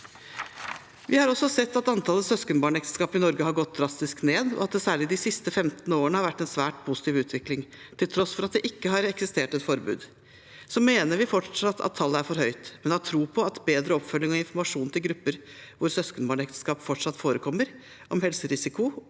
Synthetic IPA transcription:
ʋɪhɑɾɔsɔsɛt̪ːɑt̪ɑnt̪ʰɑləsœskənbɑːɳɛkt̪ə̥skɑːpɪnɔɾɡəɦɑɾɡɔt̪̚d̪ɾɑst̪ɪskneːd̪ɔ̰ɑt̪̚d̪ɛsæːɭɪd̪ɪsɪst̪əfɛmt̪noːəɳəhɑɾʋæʈːɛnsʋæːʈpʰʊsɪ̥t̪ʰiːʋʉːt̪ʰʋɪklɪŋ | t̪ʰɪlt̪ʰɾɔsfɔɾɑt̪̚d̪ɛʔɪkːəɦɑɾɛksɪst̪eːʈɛt̪fɔɾbʉ̰ːd̪ | sɔmːeːnəɾʋɪfɔʈʂɑt̪ʰːɑ̰t̪ʰːɑlːəæɾfɔɾhœʏt̪mɛnd̪ɛɑt̪ʰɾuːpʰɔɑt̪beːd̪ɾəɔpfœlːɪŋɔɪnfɔɾmɑʂuːnt̪ʰɪlɡɾʉpːəɾ | ʋʊɾsœskənbɑːɳɛkt̪ə̥skɑːpfɔʈʂɑt̪ːfoːɾəkʰɔmːəɾ | ʔɔmhɛlsəɾɪsɪkʊ

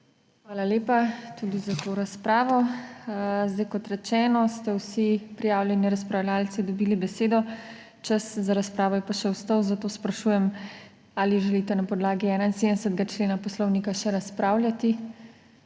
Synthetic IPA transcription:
xʋaːlaleːpat̪ud̪izat̪oɾaspɾaːʋɔ | zd̪ajkɔt̪ɾɛt͡ʃɛːnɔst̪ɛwsipɾijaːwljɛnjiɾaspɾawljaːlt̪t͡s̪id̪ɔbiːlibɛseːd̪ɔ | t͡ʃaszaɾaspɾaːʋɔjɛpaʃɛwst̪ɔwzat̪oːspɾaʃuːjɛm | aliʒɛliːt̪ɛnapɔd̪laːɡiɛːnainseːd̪nɛsət̪ɡat͡ʃleːnapɔslɔwnikaʃɛɾaspɾaːwljat̪i

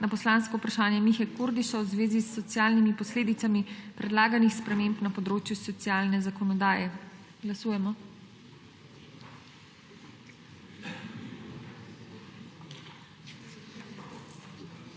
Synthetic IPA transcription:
napɔslanskɔupɾaʃaːnjɛmixɛkuɾd̪iʃawzʋeːzisːɔt̪sjaːlnimipɔsleːd̪it̪samipɾɛd̪laːɡanixspɾɛmẽːmpnapɔd̪ɾoːt͡ʃjusɔt̪sjaːlnɛzakɔnɔd̪aːjɛ | ɡlasuːjɛmɔ

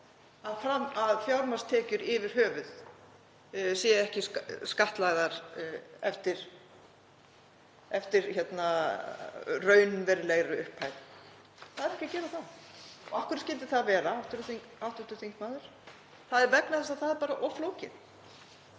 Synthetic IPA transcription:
aðfɾamːaðfjawɾmast̪ʰɛːcʏɾɪvɪɾ̥ɦœːvʏð | sjɛɛhcɪsskaht̪laɣðaɾɛft̪ɪɾ̥ | ɛft̪ɪɾçɛt̪na | rœːɥnvɛɾlɛɣɾʏʏhphaːjt̪ | θaðɛɾɛhcɪacɛːɾaθanɔahkʏɾscɪnt̪ɪ̥θaðvɛːɾaawht̪ʏɾʏθiŋkawht̪ʏt̪ʏɾ̥θiŋkmaːðʏɾ̥ | θaðɛɾvɛknaθɛst̪aðθaðɛɾpaːɾaʔɔfloːwcɪ̰n̥

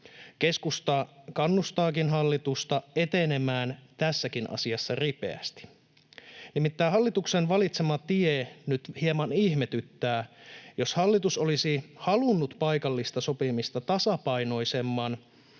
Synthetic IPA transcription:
ke̞skust̪ɑkɑnːust̪ɑːkinɦɑlːit̪ust̪ɑe̞t̪e̞ne̞mæːnt̪æsːækinɑ̰siɑsːɑripe̞̰æ̰st̪i̥ | nimit̪ːæːɦɑlːit̪uksenʋɑlit̪semɑt̪ienyt̪hiemɑniçme̞t̪yt̪ːæːjo̞shɑlːit̪uso̞lisihɑlunːut̪pɑjkɑlːist̪ɑso̞pimist̪ɑt̪ɑsɑpɑjno̞jse̞mːɑn

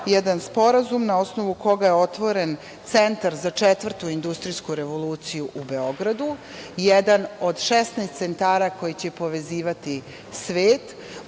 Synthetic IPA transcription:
jɛd̪anspo̞ɾazumnao̞sno̞ʋuko̞ɡajeo̞t̪ʋo̞ɾe̞n | t̪se̞nt̪aɾzat͡ʂet̪ʋr̩t̪uind̪ust̪ɾijskuɾe̞ʋo̞luːt̪sijuʔube̞o̞ɡɾad̪u | jed̪ano̞d̪ʃest̪naːst̪se̞nt̪aːɾako̞jit͡ɕe̞po̞ʋe̞ziːʋat̪i | sʋeːt̪

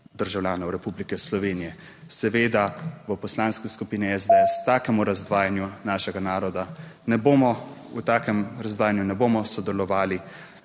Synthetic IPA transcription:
d̪əɾʒawlʲjaːnɔwɾɛpublikɛslɔʋeːnijɛ | sɛʋeːd̪aʋəpɔslaːnskiskupiːniɛzd̪ɛɛst̪aːkɛmuɾazd̪ʋaːjanjunaːʃɛɡanaːɾɔd̪anɛboːmɔut̪aːkɛmɾazd̪ʋaːjanjunɛboːmɔsɔd̪ɛlɔʋaːli

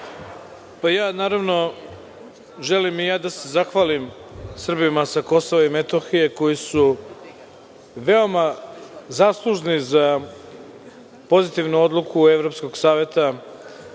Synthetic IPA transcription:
pajaːnaːɾaʋno̞ | ʒe̞limijaːd̪ase̞zaxʋaːlimsr̩bimasako̞so̞ʋaimet̪oxije̞ko̞jisu | ʋe̞o̞mazaːslˠuʒniza | po̞zit̪iʋnuo̞d̪lˠukʰue̞ʋɾo̞psko̞ɡsaːʋe̞t̪a

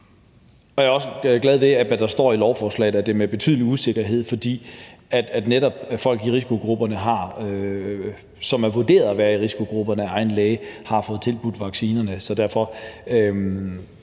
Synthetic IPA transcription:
ɒ̽jaɒ̽səɡ̥lɛð̞ˠʋe̝æʋæd̥ɑ̈sd̥ɒ̰ːilɒʊfɒːslɛ̰ɪð̩ˠæd̥e̝meb̥e̝t͡sʰy̰ðˠəliuse̝ɡ̥ɐɦe̝ð̞̰ˠfɒ̽d̥ḭːæd̥æd̥neɾɒ̽b̥fɒ̽l̰ɡ̥iʁisi̥kʰo̝ɡ̥ʁub̥ɐnəɦɑ̈ø | sɒ̽mæɐʋoɐd̥e̝̰ːɐðˠæʋæːɐiʁisi̥kʰo̝ɡ̥ʁub̥ɐnəæɑ̈ɪn̩lɛːɪəhɑ̈fɔ̽ːð̞̩ˠt͡sʰe̝lb̥ud̥ʋɑ̈ɡ̥siːnɐnəsɒ̽d̥æɐfɒ̽ø

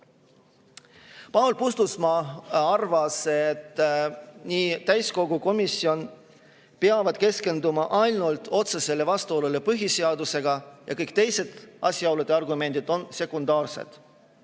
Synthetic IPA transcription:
pɑwlpust̪usmɑɑrvɑse̞t̪ː | niːt̪æjsko̞ɡuko̞misːio̞n | peɑvɑd̪̥ke̞ske̞nd̪umɑʔɑjlnult̪o̞t̪se̞se̞lːe̞vɑst̪uo̞lule̞pɤɦise̞ɑd̪use̞ɡ̥ɑjʔɑ̰kɤjk̚t̪e̞jse̞d̪̥ɑ̰sʲiɑwled̪̥e̞ɑrɡume̞nd̪̥id̪̥o̞nse̞kund̪ɑːrse̞̰d̪̥

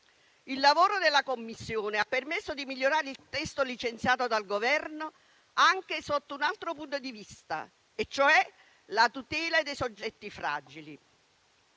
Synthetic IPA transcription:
ilːavoːɾod̪elːakomːisːjoːneapːermesːod̪imiʎːoɾaːɾeilt̪ɛst̪olit͡ʃent̪sjaːt̪od̪alɡovɛrno | aŋk̟esot̪ːounalt̪ɾopunt̪od̪ivist̪a̰ | et͡ʃːoɛ | lat̪ut̪ɛːlad̪ejsod͡ʒːɛt̪ːifɾa̰ːd͡ʒili

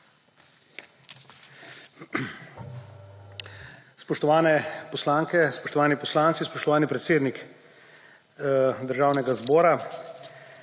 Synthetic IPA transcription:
spɔʃt̪ɔʋaːnɛpɔslaːŋkɛspɔʃt̪ɔʋaːnipɔslaːntsispɔʃt̪ɔʋaːnipɾɛt̪seːd̪nik | d̪əɾʒaːwnɛɡazbɔːɾa

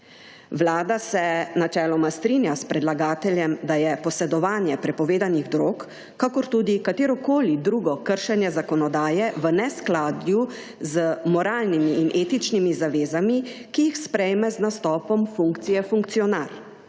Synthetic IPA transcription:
ʋlaːd̪asɛnat͡ʃɛːlɔmast̪ɾinjaspɾɛd̪laɡaːt̪ɛljɛmd̪ajɛpɔsɛd̪ɔʋaːnjɛpɾɛpɔʋeːd̪aniɣd̪ɾoːkː | akɔɾt̪uːd̪ikat̪eːɾɔkoːlid̪ɾuːɡɔkəɾʃɛnjɛzakɔnɔd̪aːjɛʋənɛsklaːd̪ju | zəmɔɾaːlnimiːnʔeːt̪it͡ʃnimizaʋeːzamikijixspɾɛjmɛznast̪ɔːpɔmfuŋkt̪sijɛfuŋk̚t̪siɔnal

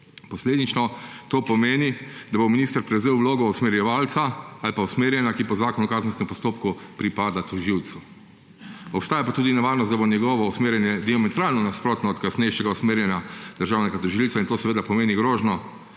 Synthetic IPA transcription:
pɔsleːd̪it͡ʃnɔt̪oːpɔmeːnid̪abominist̪əɾpɾɛwzeːwloːɡɔusmɛɾjɛʋaːlt̪saalpausmeːɾjɛnjakipɔzaːkɔnɔkaːzənskɛmpɔst̪oːpkupɾipaːd̪at̪ɔʒiwt̪su | ɔpst̪aːjapat̪uːd̪inɛʋaːɾnɔst̪d̪abonjɛɡɔʋɔusmeːɾjɛnjɛd̪iamɛt̪ɾaːlnɔnaspɾoːt̪nɔːt̪kasnɛjʃɛɡausmeːɾjɛnjad̪əɾʒawnɛɡat̪ɔʒilsaint̪oːsɛʋeːd̪apɔmeːniɡɾoːʒnɔ

